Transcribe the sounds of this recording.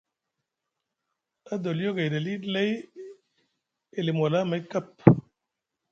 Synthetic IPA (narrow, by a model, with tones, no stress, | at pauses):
a˦d̪o˨li˦jo˦ɡe˨da˨li˦le˦j | e˨le˨mo˨la˦ma˨˦jka˦p̚